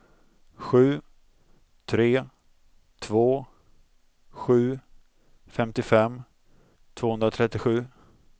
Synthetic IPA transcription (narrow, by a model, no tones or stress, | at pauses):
ɧʉ̟ː | t̪ʰɾeː | t̪ʰvoː | ɧʉ̟ː | fɛmt̪ɪfɛmː | t̪ʰv̥oːhɵnd̪ɾat̪ʰɾɛt̪ːɪɧʉ̟ː